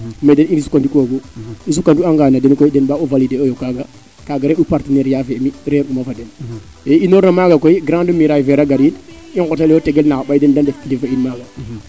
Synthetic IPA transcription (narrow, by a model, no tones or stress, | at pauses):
medeniisu̥kantukoɡois̬ukːantuaŋɡaːnadɛnkoidɛnbauvalideojokaɡa | kaɡaɾeɗupaɾtənɛɾjafɛmiɾeɾumafadɛn | einoɾnamaɡakoiɡɾãndumiɾajfɛɾaɡaɾin | iŋkɔtalɔtɛɡelnakbajdɛndandefkidefainmaɡa